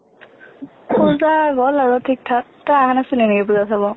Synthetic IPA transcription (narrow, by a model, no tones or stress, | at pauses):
pʰuzaɡɔlazɔtʰik̚tʰak̚taaɦanasɯninɛkɛpuzatʰabɔ